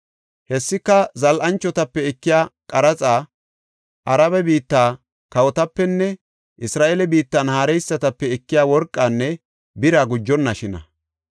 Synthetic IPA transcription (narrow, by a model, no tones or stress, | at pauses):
hɛsːɪkːɐzɐlʔɐnt͡ʃːɔt̪ɐpːɛɛkːɪjaːkʼɐɾɐt͡sʼaː | ʔɐɾɐβɛbiːt̪ːaː | kɐwɔt̪ɐpːɛnːɛ | ʔɪsɾaːʔɛlɛbiːt̪ːanhaːɾɛjsːɐt̪ɐpːɛɛkːɪjaːwɔɾkʼːaːnːɛ | bɪɾaːɡʊd͡ʒːɔnːɐʃɪnɐ̰